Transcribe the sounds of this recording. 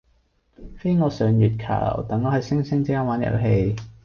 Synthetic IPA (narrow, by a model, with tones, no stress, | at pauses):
fe˥jŋɔː˨˧sœː˨˧ŋjyː˨t̚kʰa̰ː˨˩l̰wt̪ɐ˨˥ŋːɔː˨˧hɐ˨jsɪ˥ŋsɪ˥ŋt͡siː˥kaː˥nwaː˨˥njɐ̰˨˩wɦe˧j